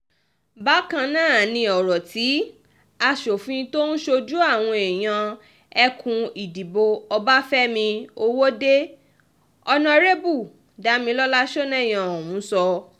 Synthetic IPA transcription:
ba˨˦kã˧nãː˦˨nĩ˧ɔ˨ɾɔ˨ti˨˦ | a˧ʃo˨fĩ˨˧to˦n̩˦ʃo˧d͡ʒu˦a˦˨w̃ɔ̃˧e˨j̃ã˧ | ɛ˧kũ˧i˨di˨bo˧ɔ˧ba˦fɛ˦mĩ˧o˧wo˦de˦ | ɔ˧nã˧ɾe˦bu˦˨ | da˨˦mĩ˧lɔ˦la˦ʃɔ˦nɛ̃˦˨j̃ã˨ɔ˨wũ˨˦sɔ˧

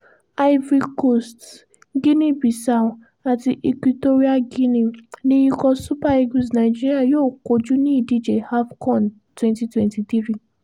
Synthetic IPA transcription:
a˦ji˦vɾi˧ko˦˨st | ɡi˦nĩ˦bi˨sa˨ | a˨ti˧ʔi˧kwi˧to˦ɾi˦a˦ɡi˦nĩ˧nĩ˧˦i˧kɔ˧su˦pa˦˨e˧ɡu˨sna˨i˨d͡ʒi˦ɾi˦a˦˨joː˦˨ko˨˦d͡ʒu˦nĩ˦i˦˨di˦d͡ʒe˨ha˦fkɔ̃˦˨n | twɛ̃˦nti˨˦twɛ̃˧nti˧ti˦ɾi˦˨

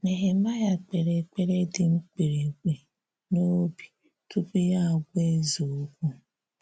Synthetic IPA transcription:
ne˨ɦe˨ma˦ja˦k͡pe˨ɾe˨k͡pe˨ɾe˦dɪ˨ŋ͡m̩˦k͡pe˨ɾe˨kʷe˨ | no˦bi˨ | tu˦pu˦ja˦a˨ɡʷe˦zo˨˦kʷu˦

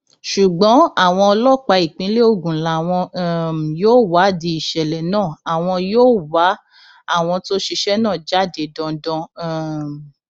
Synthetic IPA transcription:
ʃu˨ɡ͡bɔ̃˨˦a˦˨w̃ɔ̃˧ɔ˧lɔ˦k͡pa˧i˨k͡pĩ˨˦le˦o˧ɡũ˨la˨w̃ɔ̃˧˦joː˦wa˨˦di˧˦i˦˨ʃɛ˨lɛ˨nãː˦˨a˨w̃ɔ̃˧joː˦wa˨˦ | a˦˨w̃ɔ̃˧to˦ʃi˧ʃɛ˦nãː˦˨d͡ʒa˦˨de˨˦˨dɔ̃˧dɔ̃˧˦

